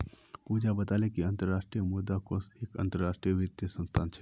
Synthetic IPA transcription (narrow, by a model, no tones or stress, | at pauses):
puːd͡ʒabət̪aːlekiɐ̃nt̪əɾːaːʂʈɾijəmud̪akoseːkɐ̰̃nt̪əɾːaːʂʈɾijəʋɪt̪jəsə̃nst̪ʰaːnt͡ʃʰɛ